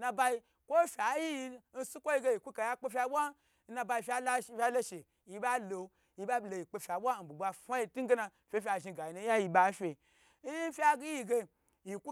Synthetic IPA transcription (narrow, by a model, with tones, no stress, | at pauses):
na˧ba˧ji˧ | kʷo˦fʲa˨˦ji˦ji˧n̩˦su˦kʷo˦ji˧˦ɡe˧˦i˨ku˦ka˨ja˦k͡pe˦fʲa˧˦bʷa˦ | n̩˦na˧ba˧i˧fʲa˦lfʲa˦lo˦ʃe˨ | ji˧ba˦lo˨ | ji˧ba˦blo˨ji˨k͡pe˧fʲa˨bʷa˦˨n̩˨bu˨ɡ͡ba˧fa˦ji˧tu˦ŋ˦ɡe˦na˧ | fʲe˦fʲa˧˨ʒi˧ɡa˨ji˨no˧˦ja˦ji˧ba˨˦fʲe˧˦ | ji˦fʲa˧ɡi˧ɡe˧ | ji˨ku˦